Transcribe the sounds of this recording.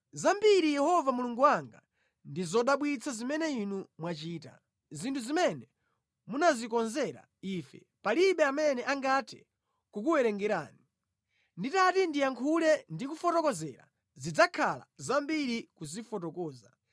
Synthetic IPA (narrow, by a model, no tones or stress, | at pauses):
zambiɾijɛhɔvamuluŋɡuwaŋɡa | ndizɔɗaɓwit͡sʰazimɛnɛinumwat͡ʃiːta̰ | zintʰuzimɛnɛ | munazikɔnzɛɾa̰ | iːfɛ̰ | paliɓɛamɛnɛʔaŋɡatʰɛ̰ | kuk̬uwɛɾɛŋɡɛɾa̰ːni | nditatindijaŋkʰulɛndikufɔtɔkɔzɛ̰ɾa̰ | zid͡zakʰala̰zambiɾikuzifɔtɔkɔːza